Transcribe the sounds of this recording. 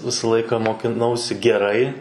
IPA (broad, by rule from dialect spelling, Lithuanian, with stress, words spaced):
ˈʋʲɪsɐ ˈlˠɐɪkɐ moːkʲɪˈnɐʊsʲɪ ɡʲɛˈrɐɪ